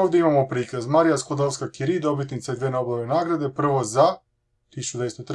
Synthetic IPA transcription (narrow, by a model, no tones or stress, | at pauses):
oːʋd̪ʲeimamopɾiːkazmaɾijaskod̪olskakiɾid̪o̞bit̪nit̪said̪ʋenoboʋenaːɡɾad̪e̞pr̩ʋoza | t̪isut͡ʃud̪vest̪ot̪